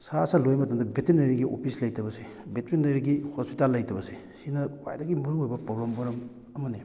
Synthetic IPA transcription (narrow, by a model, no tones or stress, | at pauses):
sasalojmɐtɐmdɐbetiɾneɾiɡiʔo̰pʰislɐjtɐbɐsi | betɾineɾiɡihospitalːɐjtɐbɐsi | sinɐwa̰jdaɡimuɾojbɐpɾoblɐmbɐɾɐm | ɐmɐne